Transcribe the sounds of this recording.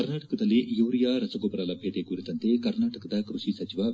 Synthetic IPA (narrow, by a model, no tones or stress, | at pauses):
ɐɾnaːʈɐkɐd̪ɐliʔjuːɾijaːɾɐsɐɡoːpɾaːlɐbʱjet̪ekuɾit̪ɐnt̪ekɐɾnaːʈɐkɐd̪ɐkɾuʃisɐt͡ʃiʋa